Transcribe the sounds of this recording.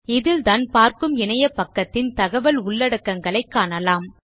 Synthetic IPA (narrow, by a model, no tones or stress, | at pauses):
ɪðɪlt̪aːnpaːɾkɯmɪɳɐjɐpːɐkːɐt̪ːɪnt̪ɐɣɐʋɐlʊɭːɐɽɐkːɐŋɡɐɭɐɪkːaːnɐlaːm